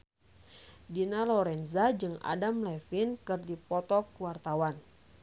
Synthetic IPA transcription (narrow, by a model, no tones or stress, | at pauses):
dinalɔɾɛnzad͡ʒɨŋa̰damlɛfinkɨrdipɔt̪ɔkuwart̪awan